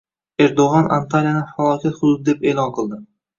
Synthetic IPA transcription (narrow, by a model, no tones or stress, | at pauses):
e̞ɾd̪oʁɑnʔa̰nt̪ʰaɾijanɪfalˠɒkʲʰat̪χʊd̪ʊd̪ɪd̪e̞pe̞ːlˠɒnqʰɨlˠd̪ɪ